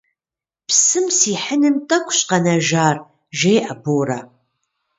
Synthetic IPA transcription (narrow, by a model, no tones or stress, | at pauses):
psɨmsiːħənɨmtʼɐkʷʰʼɕʼqɐnɐʒaːr | ʒejʔɐboːra̰